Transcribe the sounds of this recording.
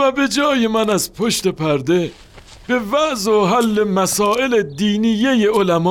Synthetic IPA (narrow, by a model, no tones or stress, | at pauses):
væbe̞d͡ʒɒːjemænæzpʰoʃt̪epʰæɾd̪e̞ | b̥e̞væʔzoɦælːemæsɒːʔeled̪iːnijejeolæmɒː